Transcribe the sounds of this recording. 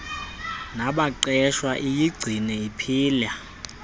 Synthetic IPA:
naɓaǀɛʃwaʔijiɡ͡ǀʱinɛipʰiːla

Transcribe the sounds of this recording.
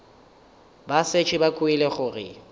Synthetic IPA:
baset͡ʃʰʼibakʼuilɛχʊrɪ̰

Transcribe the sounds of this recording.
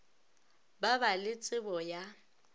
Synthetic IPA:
babalɪt͡sʼɪbɔja

